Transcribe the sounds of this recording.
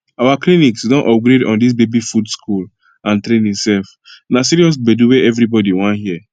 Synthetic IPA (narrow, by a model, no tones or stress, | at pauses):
awakliniksdɔ̃nʔɔp̚ɡɾedɔ̰̃ndis̬bebifudskʰul | ãntɾẽnĩŋsɛlf | nasiɹiɔs̬beduweʔɛvɾibɔdiwãnɦiə